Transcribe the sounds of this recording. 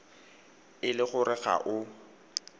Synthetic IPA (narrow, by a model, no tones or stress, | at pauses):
ɪlɪɣʊrɪɣa̰ʔʊ